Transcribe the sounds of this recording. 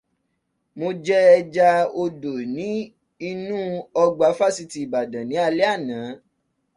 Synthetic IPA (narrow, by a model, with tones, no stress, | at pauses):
mo˧d͡ʒɛ˦ɛ˧d͡ʒa˧o˧do˨nĩ˨˦ | i˧nũ˦ɔ˧ɡ͡ba˨˦fa˦˨si˧ti˨i˨ba˨dã˨nĩ˨˦a˧lɛ˦a˦˨nãː˨˦